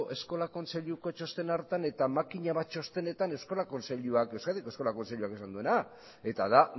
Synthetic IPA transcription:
ʔe̞sko̞lako̞nt͡se̞ʎuko̞t͡ʃo̞st̪e̞naɾt̪ane̞t̪amakiɲaβat͡ʃo̞st̪e̞ne̞t̪ane̞wsko̞lako̞nt͡seʎuakewskad̪ikosko̞lako̞nt͡seʎuakesand̪ue̞na | e̞t̪aða

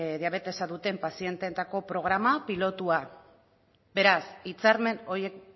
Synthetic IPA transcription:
ðiaβ̞e̞t̪e̞saðut̪e̞mpasie̞nt̪et̪ako̞pɾo̞ɣ̞ɾamapilo̞t̪ua | be̞ɾasit͡saɾme̞no̞ɾjek

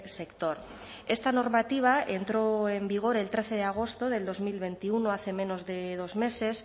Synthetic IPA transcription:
se̞kt̪o̞ɾ | e̞st̪ano̞ɾmat̪iβ̞ae̞nt̪ɾo̞e̞mbiɣ̞o̞ɾe̞lt̪ɾe̞θe̞ð̞eaɣ̞o̞st̪o̞ð̞e̞ld̪o̞zmilβe̞nt̪iunoaθe̞me̞no̞zðe̞ð̞o̞zme̞se̞s

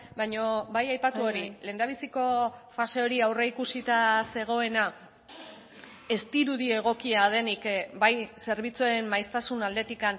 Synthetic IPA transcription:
bajɲo̞bajajpat̪uo̞ɾile̞ːnd̪aβisiko̞fase̞o̞ɾiawreikusit̪ase̞ɣ̞o̞e̞na | e̞st̪iɾuðie̞ɣ̞o̞kiaðe̞nikbajse̞ɾβit͡suaɾemːajst̪asunald̪e̞t̪ikan

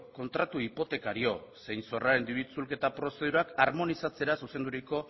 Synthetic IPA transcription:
ko̞nt̪ɾat̪uipo̞t̪e̞kaɾio̞se̞jnso̞raɾe̞nd̪iβit͡sulke̞t̪apɾo̞se̞ð̞uɾakaɾmo̞nisat͡se̞ɾasuse̞nd̪uɾiko̞

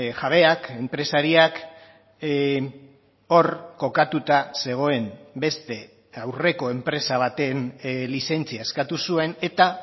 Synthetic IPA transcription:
ʝaβ̞e̞ake̞mpɾe̞saɾiak | o̞ɾko̞kat̪ut̪ase̞ɣ̞o̞e̞mbe̞st̪e̞ | awre̞ko̞e̞mpɾe̞saβ̞at̪e̞nlise̞nt͡siaeskat̪usue̞ne̞t̪a

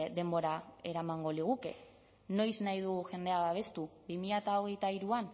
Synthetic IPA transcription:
ðe̞mbo̞ɾae̞ɾamaŋɡo̞liɣukḛ | no̞jznajðuɣuʝe̞nd̪e̞aβaβ̞e̞st̪ubimiʎat̪aoɣe̞jt̪aiɾuan

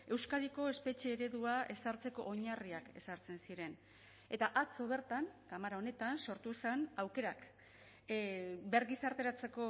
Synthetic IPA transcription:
e̞wskaðiko̞e̞spe̞t͡ʃe̞ːɾe̞ðuae̞saɾt͡se̞ko̞ʔoɲariake̞saɾt͡se̞nsiɾe̞n | e̞t̪aʔat͡so̞β̞e̞ɾt̪aŋkamaɾao̞ne̞t̪anso̞ɾt̪usanawke̞ɾak | be̞ɾɣisaɾt̪e̞ɾat͡se̞ko̞

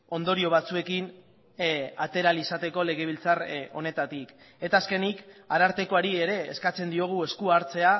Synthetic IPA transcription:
o̞nd̪o̞ɾio̞β̞at͡sue̞kin | at̪e̞ɾalisat̪e̞ko̞le̞ɣ̞e̞β̞ilt͡saro̞̰ne̞t̪at̪ik | e̞t̪aːske̞nikaɾaɾt̪e̞ko̞aɾieɾe̞ːskat͡se̞nd̪io̞ɣ̞ue̞skuaɾt͡se̞a

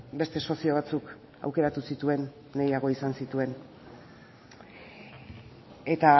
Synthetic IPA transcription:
be̞st̪e̞so̞sio̞β̞at͡suk | a̰wke̞ɾat̪usit̪ue̞nː | ejaɣ̞o̞isansit̪ue̞n | e̞t̪a

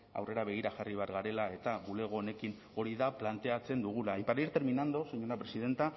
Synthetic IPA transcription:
a̰wre̞ɾaβ̞e̞ɣ̞iɾaʝariβaɾɣaɾe̞lae̞t̪aɣule̞ɣ̞o̞ːne̞kin | o̞ɾiðaplant̪e̞at͡se̞nd̪uɣ̞ulaipaɾaiɾt̪e̞ɾminand̪osoɲoɾapɾe̞siðe̞nt̪a

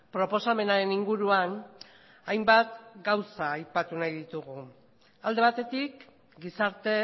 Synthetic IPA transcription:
pɾo̞po̞same̞naɾe̞niŋɡuɾuan | ajmbat̪ɡawsaːjpat̪unajðit̪uɣ̞u | ald̪e̞at̪e̞t̪ik | ɡisaɾt̪e̞

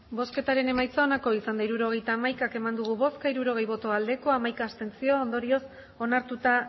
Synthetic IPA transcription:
bo̞ske̞t̪aɾe̞ne̞majt͡saːnako̞isand̪aiɾuɾo̞ɣe̞jt̪aːmajkake̞mand̪uɣ̞uβo̞skaiɾuɾo̞ɣ̞e̞jβo̞t̪o̞ald̪e̞ko̞amajkaːst̪e̞nt͡sio̞ːnd̪o̞ɾio̞s | o̞naɾt̪ut̪a

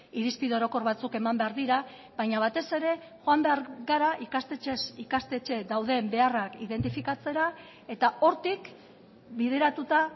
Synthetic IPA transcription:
iɾispiðoɾo̞ko̞ɾβat͡suke̞mambe̞aɾðiɾa | βaɲaβ̞at̪e̞se̞ɾe̞ | ʝoambe̞aɾɣaɾaʔikast̪et͡ʃe̞sikast̪e̞t͡ʃe̞d̪awðe̞mbe̞arakiðe̞nt̪̬ifikat͡se̞ɾa | e̞t̪ao̞ɾt̪ik | bið̞e̞ɾat̪ut̪a

